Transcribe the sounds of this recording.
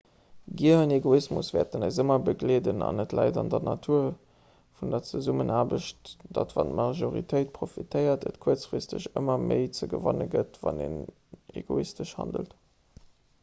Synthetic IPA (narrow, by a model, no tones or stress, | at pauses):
ɡiəəneɡoismusv̥ɛːɐt̚dənɑɪzəmɐbəɡleːdənɑnətlɑɪdɑndɐnɑtʰuɐ | fundɐt͡səzumənʔaːbəʃtd̥ɑtvɑntmɑʒoʁitʰəɪt̚pʰʁofitʰəɪɐtətkʰuɐt͡sfʁistəɕəmɐməɪt͡səɡəvɑnəɡətvɑneːn | eɡoistəʃhɑndə̰lt